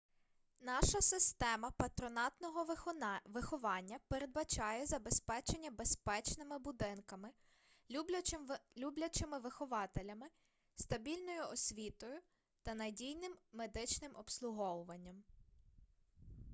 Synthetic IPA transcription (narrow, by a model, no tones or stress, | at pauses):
nɑʃɐsɪst̪ɛmɐpɐt̪ɾɔnɑt̪nɔɦɔʋɪxɔʋɑnʲːɐpeɾed̪̚bɐt͡ʃɑjɛzɐbespɛt͡ʃenʲːɐbe̞spɛt͡ʃnɪmɪbʊd̪ɪnkɐmɪ | lʲublʲɐt͡ʃɪmɪʋɪxɔʋɑt̪elʲɐmɪ | st̪ɐbʲilʲnɔjʊɔsʲʋʲit̪ɔjʊ | t̪ɐnɐdʲijnɪmːed̪ɪt͡ʃnɪmʔɔpslˠʊɦɔwʊʋɐnʲːɐm